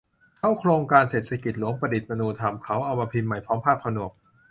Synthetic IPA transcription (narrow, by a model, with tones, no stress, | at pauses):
t̪ʰa˥˩wkʰloː˧ŋkaː˧nseː˨˩t̪̚sʰa˧ki˨˩t̪̚lu˩˦əŋpɾa˧di˨˩t̪̚ma˧nuː˧t̪ʰa˧mkʰa˦˥wʔa˧wmaː˧pʰi˧nma˨˩jpʰɔː˦˥mpʰaː˥˩p̚kʰa˧nu˨˩ək̚